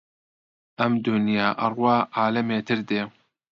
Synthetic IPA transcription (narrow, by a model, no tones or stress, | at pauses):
ʔɐmd̪unijaːʔɐrwɑːʔaːlɐmeːt̪ʰɨɾd̪eː